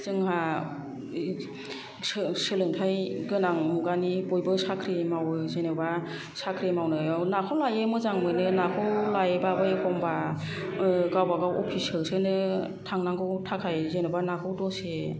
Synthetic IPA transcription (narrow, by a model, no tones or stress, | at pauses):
zɯŋɦa | sɯlɯŋtʰajɡɯnaŋmuɡanibɔjbɯsakʰɾimawɯzenɯba | sakʰɾimawnɯnakʰawlajemɯzaŋmɯjnɯnakʰɯwlajbabɯjkʰɔmba | ɡawbaɡawɔpʰisɯlsɯnɯ | tʰaŋnaŋɡʰɯwtʰakʰajzenɯbanakʰɯwdɔse